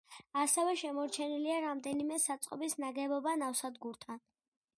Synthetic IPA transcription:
asɛvɛʃɛmɔɾt͡ʃʰɛniliaɾamd̪ɛnimɛsat̪sʼqʼɔ̰bisnaɡɛbɔbanafsad̪ɡuɾt̪ʰan

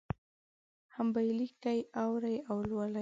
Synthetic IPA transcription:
hambajlikajawɾajawlwala

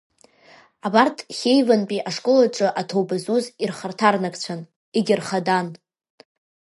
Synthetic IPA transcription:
abartʰχʲejvanpʼiʔaʂkʼolaʈ͡ʂʼɨʔatʰowbazuzirχartʰarnakʼt͡sʷʰan | iɡʲɪrχadan

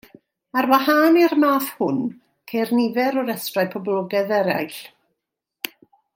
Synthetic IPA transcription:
arwahaːnirmaːθhʊn | kʰejrnɪvɛɾɔɾɛstrajpʰɔblˠɔɡɛðɛɾa̰jɬ

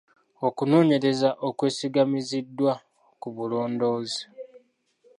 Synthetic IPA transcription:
o̞kuno̞ːɲe̞ɾe̞zaʔokwe̞ːsiɡamizidːwa | kuβulo̞ːndo̞ːzi̥

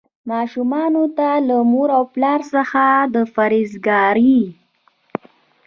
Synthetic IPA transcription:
mɑʃumɑnot̪alamoɾawplɑɾsəxad̪əfaɾizɡɑɾi

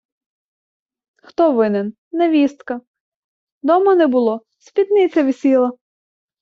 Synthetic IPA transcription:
xt̪ɔʋɪnɪn | nɛʋʲist̪kɐ | d̪ɔmɐnɛbʊlˠɔ | sʲpʲit̪nɪt͡sʲɐʋʲisʲilˠɐ

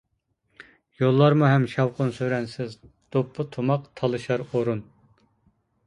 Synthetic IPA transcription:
jolˠːɑɾmuɦɛmʃɑwqʰʊnsøɾɛnsɪz | d̪̥opʰːʊt̪ʰumɑqt̪ʰɑlˠɨʃɑɾoɾun

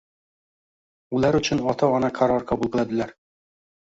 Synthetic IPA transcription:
ulˠæɾɵt͡ɕɘnɒt̪ʰɑɒnɑkʰaɾɒɾkɒbulˠpɤ̆lad̪ɘ̆læɾ

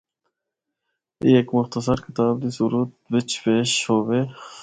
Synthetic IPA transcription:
iekmʊxt̪əsəɾkɪ̥t̪aːb̚d̪isuɾuːt̪̚wɪt͡ʃpeːʃhoːweː

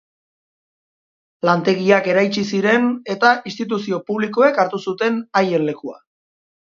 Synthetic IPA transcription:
lant̪e̞ɣiake̞ɾajt͡ʃisiɾe̞ne̞t̪aʔist̪it̪̬usio̞puβliko̞e̞kaɾt̪usut̪e̞naje̞nle̞kua̰

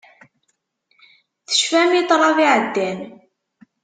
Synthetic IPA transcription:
θə̥ʃfæmit̪ˤɾˤɑðiʕəd̪ːæn

